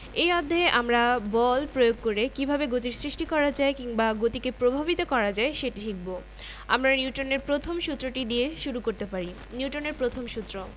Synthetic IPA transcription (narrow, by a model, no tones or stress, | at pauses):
ejɔd̪ʱːaeʔamɾabɔlpɾojoɡ̚koɾekibʱabeɡot̪̬iɾsɾiʃʈikɔɾad͡ʑaekiŋbaɡot̪ikepɾobʱabit̪okɔɾad͡ʑaeʃeʈiʃʰik̚bo | a̰mɾaniuʈoneɾpɾot̪ʰomʃut̪ːɾoʈid̪ieʃuɾukoɾt̪epaɾi | nuʈoneɾpɾot̪ʰomʃut̪ːɾo